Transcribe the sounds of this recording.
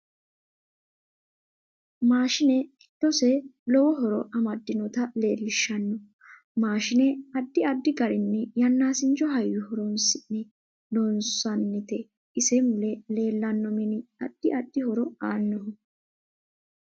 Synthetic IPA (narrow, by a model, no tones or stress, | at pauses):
maːʃɪnɛɪt̪ːɔsɛlɔwɔɦɔɾɔʔɐmɐd̪ːɪnɔt̪ɐle̞ːlːɪʃːɐnːɔ | maːʃɪnɛɐd̪ːɪɐd̪ːɪɡɐɾɪnːɛjɐnːaːsɪnt͡ʃɔɦɐjːɪhɔɾɔnsɪnːɪ | lɔnsɐnːɪt̪ɛ | ɪsɛmʊlɛle̞ːlːɐnːɔmɛnɪɐ̰d̪̥ːɪʔɐd̪ːɪhɔɾɔaːnːɔh